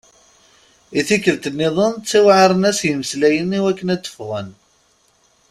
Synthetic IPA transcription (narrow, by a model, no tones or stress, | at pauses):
iθikːəlt̪ənːiðˤənt͡sːiwʕaɾˤənæsjəməslæjəniwækːənæt͡sːə̥fʁən